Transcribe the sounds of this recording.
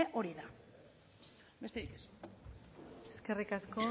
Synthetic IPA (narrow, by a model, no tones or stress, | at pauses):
eʔo̞ɾiða | be̞st̪eɾikes | eske̞rikasko̞